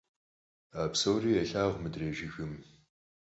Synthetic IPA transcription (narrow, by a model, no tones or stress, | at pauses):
aːpsowriːɛɬaːʁʷmɨdreːʒixɨm